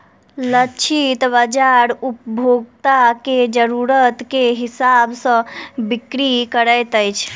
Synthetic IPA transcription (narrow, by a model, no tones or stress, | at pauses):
lət͡ʃʰit̪bəd͡ʒaɾupbʱoɡt̪aked͡ʒəɾuɾət̪keɦisabsə̃bikɾikəɾəjt̪əjt͡ʃʰ